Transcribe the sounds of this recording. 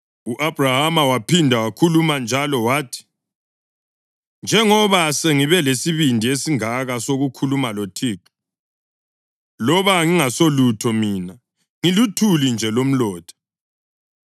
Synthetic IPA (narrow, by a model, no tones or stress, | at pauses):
uʔabrahamawapʰindʱawakʰulumand͡ʒʱalɔwaːtʰi̥ | nd͡ʒʱɛŋɔβaseŋiβɛlesiβindʱiesiŋaɣasoɣukʰulumalotʰiːǁɔ̥ | lɔβaŋiŋasolutʰɔmiːna | ŋilutʰulind͡ʒʱɛlom̩lɔːd̥ʰʱʼḁ